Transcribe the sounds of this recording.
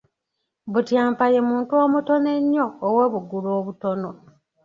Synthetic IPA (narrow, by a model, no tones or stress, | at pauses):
βutjaːmpaje̞muːntuoːmuto̞ne̞ɲːoːweːβuɡuloːβuto̞no̞